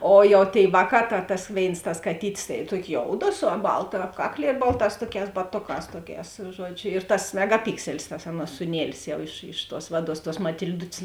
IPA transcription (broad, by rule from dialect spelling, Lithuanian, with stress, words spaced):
ˈoː jɛʊ tʲeːɪ ˈʋɑːˌkɑː tɐ tɐs ˈʋʲeːɪns tɐs kɐˈtʲiːtʲɪs tɐɪ ˈtuɔkʲoː ˈjoːʊdoː sʊ ˈbɐlˠtɐ ˈɑːpkɐkˌlʲiɛ ˈbɐlˠˌtɑːs ˈtuɔˌkʲɛːs bɐˈtoːˌkɑːs ˈtuɔˌkʲɛːs ˈʒuɔd͡ʒʲʊ ɪr tɐs mʲɛɡɐˈpʲɪksʲɛlʲɪs tɐs ˈɑːˌnuɔs suːˈnʲiɛlʲɪs ˈjɛʊ ɪʃ ɪʃ tuɔs ˈʋɑːˌduɔs tuɔs mɐtʲɪlʲˈdʊtʲsʲ